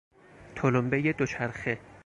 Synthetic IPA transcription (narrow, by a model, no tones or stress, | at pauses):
t̪ʰolombejed̪ot͡ʃʰæɾxe